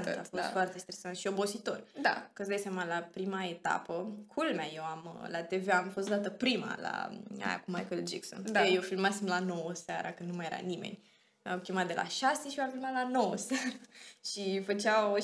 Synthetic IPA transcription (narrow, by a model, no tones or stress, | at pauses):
nafot̪fwart̪est̪ɾesant̪ʃio̞bo̞sit̪o̞rd̪akəsd̪ajsjamalapɾimaet̪a̰pəkʰulmaje̞wamlat̪e̞veamfo̞st̪̚d̪at̪əpɾima̰la̰a̰ja̰kumajkəld͡ʒḭkso̰nejewfilmasimlano̞wəsaɾa̰kɨnd̪numaje̞ɾa̰nime̞̰nʲ | awkʲemat̪̚d̪e̞lʔa̰ʃaseʃioamfilmat̪lanowəsaɾaʃifət͡ʃaw